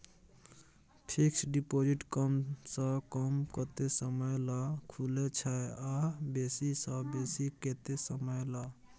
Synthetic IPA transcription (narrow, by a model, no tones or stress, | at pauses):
pʰiksɖipod͡ʒiʈkəmsəkəmkət̪esəməjlakʰulet͡ʃʰaeabesisəbesiket̪esəməjla